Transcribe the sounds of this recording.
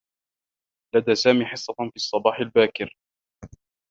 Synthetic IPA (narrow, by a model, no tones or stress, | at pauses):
lad̪aːsaːmiːħɪsˤːɑfiːɑsˤːɑbɑːħɪlbaːkɪɾ